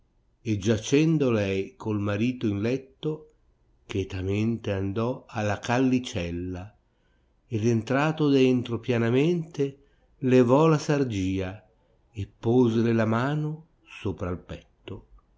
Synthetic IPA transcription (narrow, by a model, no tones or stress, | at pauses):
ed͡ʒat͡ʃɛnd̪olɛjkʰolmaɾiːt̪oinlɛt̪ːo | kɛt̪ament̪eand̪ɔalːakalːit͡ʃɛlːa | ed̪ent̪ɾaːt̪od̪ɛnt̪ɾopjanament̪e | levɔlasard͡ʒiːa | epːoːzelelamaːno | soːpɾaːlpɛt̪ːo